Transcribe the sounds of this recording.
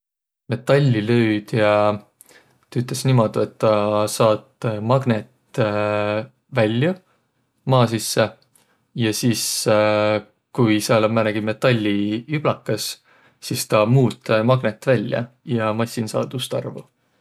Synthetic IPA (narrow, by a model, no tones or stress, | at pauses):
me̞t̪ːˑɑlʲːilø̞yd̪̥jɑ | t̪ɑyt̪ˑlesnimod̪̥uet̪ːɑsɑːt̪mɑɡ̥net̪ː | vælʲːjɑ | mɑːs̬isːe | jɑsiːs | kujsɑlmænæɡ̥ime̞t̪ːˑɑlʲːiyb̥lɑkːɑsː | ist̪ɑmuːt̪ːˑmɑɡ̥net̪ːvælʲjɑ̰ | jɑmɑsʲːinsɑ̰ːd̪̥ust̪ɑ̰rvu